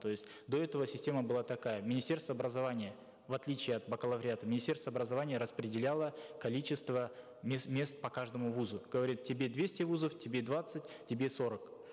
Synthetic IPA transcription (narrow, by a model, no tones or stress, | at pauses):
t̪o̞jɪsʲtʲ | d̪o̞ɛt̪əvəsʲɪsʲtʲe̞məbɨlˠat̪ɐkajəmʲɪnʲɪsʲtʲe̞rst̪vəɐːbɾəzɐvanʲɪjə | vɐt̪lʲit͡ɕɪːɐt̪̚bəkəlˠɐvɾʲat̪əmʲɪnʲɪsʲtʲe̞rst̪vəɐbɾəzɐvanʲɪjəɾəspɾʲɪdʲɪlʲalˠəkɐlʲit͡ɕɪst̪və | mʲesmʲe̞st̪̚pɐkaʐd̪əmʊvuzʊɡ̥əvɐɾʲit̪̚tʲːɪbʲe̞d̪vʲesʲtʲɪvuzəftʲɪbʲed̪vat̪sɨt̚ʲ | tʲɪbʲe̞so̞ɾək